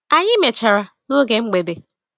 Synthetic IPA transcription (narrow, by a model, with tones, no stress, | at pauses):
a˨ɲɪ˦me˨t͡ʃa˨ɾa˨ | no˦ɡe˨ŋ͡m̩˦ɡ͡be˨de˨